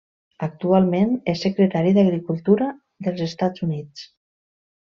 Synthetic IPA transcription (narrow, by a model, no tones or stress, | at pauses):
ək̚t̪ualˠmenɛsːəkɾət̪aɾiðəɣɾikulˠt̪uɾə | ðəlˠzəst̪azunit͡s